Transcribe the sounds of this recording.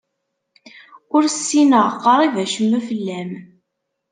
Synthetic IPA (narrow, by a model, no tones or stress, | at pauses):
ʊɾsːinəʁqːɑɾˤivæʃəmːæfəlːæm